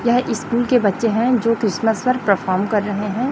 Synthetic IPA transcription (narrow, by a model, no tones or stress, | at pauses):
jɐɦʔɪskuːlkebɐtːʃeɦɛ̃d͡ʒoːkɾɪsməspɐɾpɐɾfʰɔːɾmkɐɾːɐɦeɦɛ̃ː